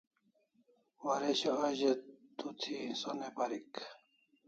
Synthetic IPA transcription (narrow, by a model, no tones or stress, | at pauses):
waɾeɕoɐʑed̪ut̪ʰisonepɐɾik